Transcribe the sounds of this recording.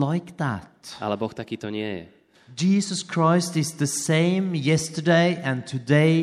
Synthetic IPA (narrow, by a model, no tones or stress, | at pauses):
laɪkðæ̰tʔa̰lɛbɔxt̪akiːt̪ɔɲɪɛjɛ̰ | d͡ʒiːzəskʰɹ̥aɪstɪzðɨsẽɪ̃mjɛstə˞deɪʔɨ̃ntʰɨdeɪ